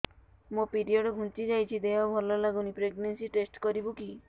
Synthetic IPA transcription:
mopiɾiɔɽɔɡʱũnt͡ʃid͡ʒajt͡ʃʰid̪eɦɔbʱɔlɔlaɡunipɾeɡnensiʈesʈkɔɾibuki

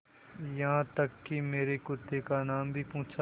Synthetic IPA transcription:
jɐɦãt̪ɐkːimeːɾekʊt̪ːekanaːmbʱipũːt͡ʃʰa

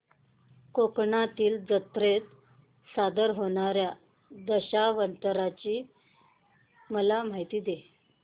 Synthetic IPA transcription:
kokɳat̪iːld͡zət̪ɾet̪ | sad̪əɾɦoɳ̃aɾja | d̪əɕaʋənt̪əɾat͡ɕiː | məlam̤aɦit̪iːd̪e

